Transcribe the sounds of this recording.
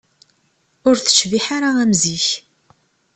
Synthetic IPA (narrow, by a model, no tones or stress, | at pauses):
ʊɾθə̥t͡ʃːviħaɾaæmziç